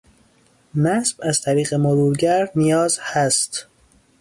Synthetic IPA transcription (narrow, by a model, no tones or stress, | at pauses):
næsb̥æzt̪ʰæɾiːɣemoɾuːɾɟæɾnijɒːzhæst̪